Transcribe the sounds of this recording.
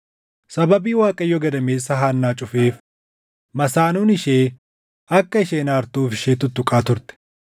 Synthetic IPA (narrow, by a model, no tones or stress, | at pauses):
sɐbɐbiːwaːkʼɐjːɔɡɐd̪ɐme̞ːsːɐɦaːnːaːt͡ʃʼʊfe̞ːf | mɐsaːnuːnɪʃeː | ɐkːɐɪʃeːnaːɾt̪uːfɪʃeːt̪ʊt̪ːʊkʼaːt̪ʊɾt̪ɛ̥